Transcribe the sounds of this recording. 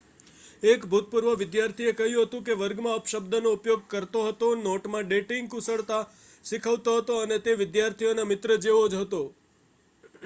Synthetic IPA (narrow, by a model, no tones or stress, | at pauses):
ekbʱut̪̚puɾʋəʋɪd̪jaɾt̪ʰiekəɦjũɦət̪ũkeʋəɾɡmãəpʃəbd̪ʱənoupjoɡ̚kəɾt̪oɦət̪onoʈmãɖeʈɪŋɡusəɭt̪a | ʃikʰəʋt̪oɦət̪oənet̪eʋɪd̪jaɾt̪ʰionamɪt̪ɾəd͡ʒeʋod͡ʒɦət̪o